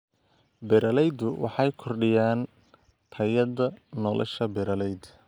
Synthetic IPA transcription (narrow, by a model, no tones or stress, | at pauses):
bɛɾɐlɛjd̪ʊwɑ̰ħɑjkʰɔrɖɪjaːn | t̪ʰɐjɐðɐnɔlʔɐ̰ʃɐbɛɾɐlɛjd̪